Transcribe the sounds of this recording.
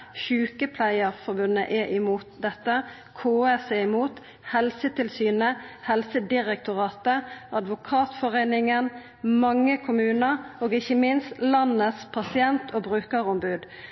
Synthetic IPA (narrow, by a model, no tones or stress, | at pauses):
çʉːkəpʰlæɪəʁfɔʁbʉnːə̰ʔɛʔɪmuːt̪̚d̪ɛt̪ːə | kʰoːæsɛːɪmuːt̪ | hɛlsət̪ʰɪlsyːnəhɛlsəd̪ɪʁɛk̚t̪ʊʁɑːt̪əʔɑd̪ʋʊkʰɑːt̪fɔʁeɪnɪŋən | mɑŋːəkʰʊmʉːnəʁoːɡɪçəmɪnst̪lɑnːəspʰɑsɪɛnt̪ʰoːbɾʉːkəʁɔmbʉːd̪